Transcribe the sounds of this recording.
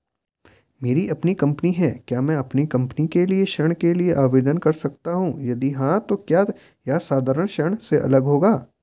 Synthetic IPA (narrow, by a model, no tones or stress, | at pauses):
meːɾiʔɐpnikɐ̃mpniɦɛːkjaːmɛ̃ɐpnikɐ̃mpnikelieʃɐɽ̃kelieʔaːʋeːd̪ənkɐɾsɐk̚t̪aɦũːjɐd̪iɦãt̪okjaː | jaːsaːd̪ʱaːɾəɽ̃ʃɐɳ̃seʔɐ̰ləɡɦoːɡaː